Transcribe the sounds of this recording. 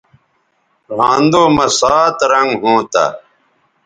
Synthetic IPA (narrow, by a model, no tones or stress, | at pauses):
ɾãːnd̪oːmɐsaːt̪ɾɐŋɡɦõːt̪a̰ː